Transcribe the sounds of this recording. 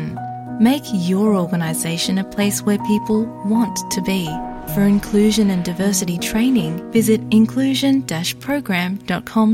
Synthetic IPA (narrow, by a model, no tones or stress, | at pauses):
n | meɪkjə˞ɔɹɡənəzeɪʃɨ̃nɨpʰl̥eɪswə˞pʰipəl̩ˠwɑ̃nʰɨbi | fə˞ɨ̃nkʰl̥ʉʒɨ̃nɨ̃ndaɪvɜ˞sɨɾitʰɹ̥ẽɪ̃nɪ̃ŋvɪzɨɾɪ̃nkʰl̥ʉʒɨ̃nd̥æʃpʰɹ̥oʊɡɹæ̃md̥ɑt̚kʰɑ̃m